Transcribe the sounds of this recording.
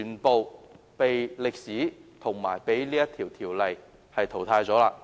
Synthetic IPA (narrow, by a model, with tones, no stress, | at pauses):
y˨˩npo˨˧w | pe˨jlɪ˨k̚siː˨˥t̪ʰʊ˨˩ŋmaː˨˩jpe˨˥jliː˥jɐ˥t̪ʰiː˨˩wt̪ʰiː˨˩wlɐ˨j | hɐ˨jt̪ʰo˨˩wt̪ʰaː˧jt͡sɔː˨˥laː˧